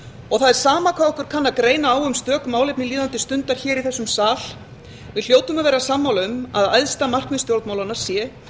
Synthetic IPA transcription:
ɔɣθaðɛɾ̥saːmakʰvaðɔhkʏɾ̥kʰanːakɾeːjnaːwʏmst̪œːkmaːwlejpnɪliːðant̪ɪst̪ʏnt̪aɾ̥çɛːɾiθɛsːʏmsaːl | vɪðljoːwt̪ʏmaðvɛːɾasamːawlʏma̰ða̰jðst̪amar̥kmɪnst̪jowɾt̪mawlanaɾ̥sjɛː

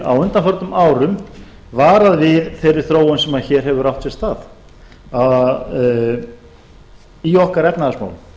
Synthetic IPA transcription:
a̰wʏnt̪anfœɾt̪ʏmʔaːwɾʏm | vaːɾaðvɪðθɛɾɪɾ̥θɾoːwʏnsɛmaðçɛːɾ̥ɦɛvʏɾaw̥ht̪sɛst̪aːð | iɔhkaɾɛpnaðasma̰ːwlm

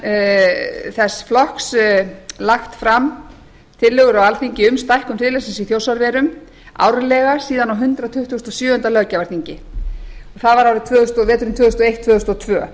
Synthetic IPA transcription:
θɛsflɔhkslaxt̪fɾam | t̪ʰɪðlːœɣʏɾawalθiɲcɪʏmst̪ajhkʏmt̪ɪðlɛsɪnsiθjoːwsaɾvɛːɾʏm | a̰ːwɾʏlɛɣḁsiːðanawɦʏnt̪ɾat̪ʰʏht̪uːst̪ɔsjœːʏnt̪alœcavaɾt̪iɲcɪ | ɔθaðvaɾawɾɪt̪ʰvʏːðʏst̪ɔvɛːt̪ʏɾʏmt̪ʰvʏːðʏst̪ɔejht̪ʰvœːðʏst̪ɔt̪ʰvœː

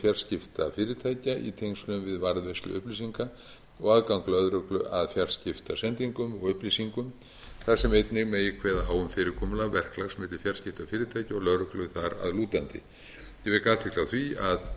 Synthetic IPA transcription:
fjar̥scɪft̪afɪːɾɪt̪ʰaːjcaʔḭt̪ʰejŋslʏmvɪðvaɾðvejst̪lʏ̰ʔʏhplisiŋka | ɔɣaðkawŋklœðɾʏklʏʔaðfjar̥scɪft̪asɛnt̪iŋkʏmɔɣʏhplisiŋkʏm | θasɛmejt̪nɪɣmɛjɪkʰvɛːðaaːwʏmfɪːɾɪɾkʰɔːmʏlavɛr̥klaɣsmɛːt̪ɪɾ̥fjar̥scɪft̪afɪːɾɪt̪ʰaːjcaɔɣlœðɾʏklʏθaɾa̰ðluːt̪ant̪ɪ̰ | jɛvɪkaːt̪ʰɪhklawθviað

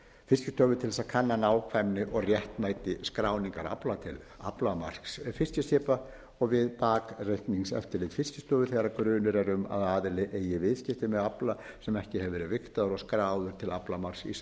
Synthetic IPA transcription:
fɪscɪst̪ʰœːvʏt̪ʰɪlsakʰanːanaːwkʰvajmnɪʔɔɣrjɛht̪maːjt̪ɪskɾaːwniŋkaɾa̰plat̪ʰɪl | a̰plamar̥ksfɪscɪsɪːpa | ɔɣvɪðpaːkrejht̪niŋksɛ̰ft̪ɪɾlɪːðfɪscɪ̥st̪œːvʏθɛɣaɾakɾʏːnʏɾɛɾʏma̰ðaːðɪlɪʔeːjɪvɪðscɪht̪ɪmɛðapla | sɛmɛhcɪhɛvvɛːɾɪðvɪht̪aðʏɾɔɣskɾaːwðʏɾ̥t̪ʰɪlaplamar̥sḭs

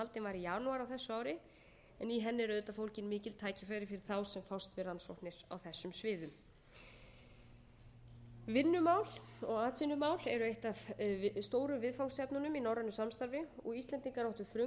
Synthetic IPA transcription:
alt̪ɪnvaɾijaːnuaɾawθɛsːʏaːwɾɪ | ɛniɦɛnːɪɾœðʏt̪afowlcɪnmɪːcɪlt̪ʰaːjcɪfɛjɾɪfɪɾɪɾ̥θawsɛmfawst̪vɪransɔht̪nɪɾ̥a̰wθɛsːʏmsvɪːðʏm | vɪnːʏmaːwl̥ɔɣaːt̪vɪnːʏmawlɛɾʏejht̪av̥st̪oːwɾʏvɪðfawlsɛpnʏnʏminaːwɾanːʏsamst̪aɾvɪɔɣist̪lɛnt̪iŋkaɾɔwht̪ʏfɾʏ

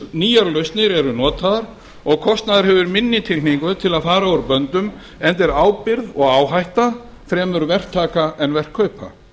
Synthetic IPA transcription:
niːjaɾlœɥst̪nɪɾɛɾʏnɔːt̪aðaɾ̥ | ɔɣkʰɔst̪naðaɾ̥hɛvʏɾmɪnːɪt̪ʰɪlniŋkʏt̪ʰɪlaðfaːɾaɔɾpœnt̪ʏm | ɛnt̪ɛɾaːwpɪɾðɔɣaːwɦajht̪a | θɾɛːmʏɾvɛr̥kt̪ʰaːkaʔɛnvɛr̥kʰœːɥpa̰

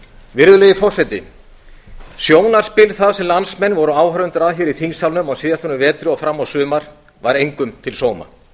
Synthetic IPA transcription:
vɪɾðʏlejðɪfɔr̥sɛt̪ɪ | sjoːwnaɾ̥spɪːlθaðsɛmlansmɛnːvɔɾʏaːwɦœɾʏnt̪ʏɾaðçɛɾiθiŋsawlnʏmɔɣsɪːðaθunʏvɛːt̪ɾʏɔfɾamːawsʏːmaɾ̥ | vaɾejŋkʏmt̪ʰɪlsoːwma̰

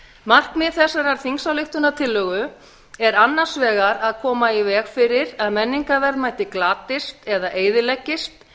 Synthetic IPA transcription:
mar̥kmɪðθɛsːaɾaɾ̥θiŋksawlɪxt̪ʏnat̪ʰɪlːœːɣʏ | ɛɾanːan̥svɛːɣaɾaðkʰɔːmaivɛːɣfɪɾɪɾaðmɛnːiŋkavɛɾðmaːjt̪ɪklaːt̪ɪst̪ɛðaʔeːjðɪlɛcːɪst̪

